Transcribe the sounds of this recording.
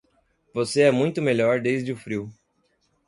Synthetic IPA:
voseɛmũj̃t̪ʊmeʎɔɾd̪ejzd͡ʒɪʊfɾiw

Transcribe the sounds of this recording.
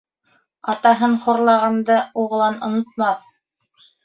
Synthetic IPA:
ɑt̪ɑɦɤnχoɾlˠɑʁɑnd̪ɤuʁ̆lˠɑnŏnŏt̪̚mɑθ

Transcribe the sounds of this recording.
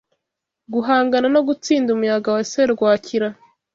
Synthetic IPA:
ɡuɦaːŋɡanano̞ɡut͡siːndumujaɡawaseɾɡwaːcʰiɾa

